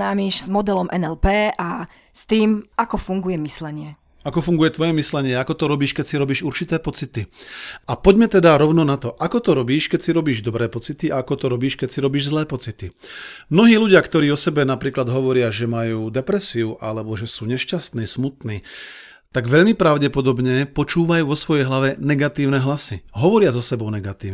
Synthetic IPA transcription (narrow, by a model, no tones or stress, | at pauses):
aːmiʒzmɔd̪ɛlɔmʔɛnɛlpɛːʔa | st̪iːmakɔfuŋɡujɛmislɛɲɪɛ | akɔfuŋɡujɛt̪ʋɔjɛmislɛɲɪɛakɔt̪ɔɾɔbiːʃkɛcsiɾɔbiːʒuɾt͡ʃit̪ɛːpɔt͡sit̪iapɔɟmɛt̪ɛd̪aɾɔʊnɔnat̪ɔʔakɔt̪ɔɾɔbiːʃkɛcsiɾɔbiːʒd̪ɔbɾɛːpɔt͡sit̪iʔaakɔt̪ɔɾɔbiːʃkɛcsiɾɔbiːʒzlɛːpɔt͡sit̪i | mnɔɦiːluɟɪakt̪ɔɾiːɔsɛbɛnapɾiːklad̪ɦɔʋɔɾɪaʒɛmajuːd̪ɛpɾɛsiuʔa̰lɛbɔʒɛsuːɲɛʃcast̪niːsmut̪niː | t̪aɡʋɛʎmipɾaʊɟɛpɔd̪ɔbɲɛpɔt͡ʃuːʋajuːʋɔsʋɔjɛjɦlaʋɛnɛɡat̪iːʊnɛɦlasiɦɔʋɔɾɪazɔsɛbɔʊnɛɡat̪iːn